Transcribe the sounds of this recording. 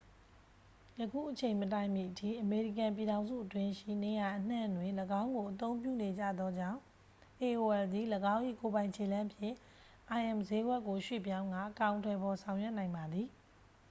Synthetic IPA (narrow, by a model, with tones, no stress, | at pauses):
jəkʰṵ˦˨ʔət͡ɕʰẽ˨ɪ̃mət̬ã˦˨ɪ̃mjḭ˦˨ʔətʰḭ˦˨ʔəme˨ɹi˦˨kã˨mp̬i˨ɾã˨ʊ̃nzṵ˦˨ʔətwɪ̃˦ʃḭ˦˨ne˨ja˨ʔən̥ã̰˦˨ndwɪ̃˨nləɡã˦ʊ̃ŋɡo˨ʔət̪õ˦ʊ̃mpjṵ˦˨ne˨d͡ʑä̰˦˨d̪ðɔ˦d͡ʑã̰˦˨ʊ̃ | ʔe˨o˨ɛ˨ld̪i˨ləɡã˦ʊ̃ʔḭ˦˨ko˨bã˨ɪ̃ɲt͡ɕʰe˨lã˦mpʰjɪ̰̃˦˨ | ʔa˨ɪʔɛ̃˨mze˦ɡwɛ˦ʔkːo˨ʃwḛ˦˨pjã˦ʊ̃ŋɡa̰˦˨ʔəkã˨ʊ̃ntʰɛ˨pɔ˨sʰã˨ʊ̃jɛ˦ʔnã˨ɪ̃mba˨d̪ði˨